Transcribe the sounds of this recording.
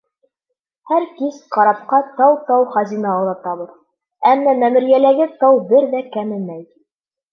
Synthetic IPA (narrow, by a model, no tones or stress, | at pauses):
hæɾkisqɑɾɑp̚qɑt̪ɑwt̪ɑwχɑzinɑowlˠɑt̪ɑβɤð | æmːæmæmɘ̆ɾjælæɡɘt̪ɑwbɘɾðækæmɘ̆mːæj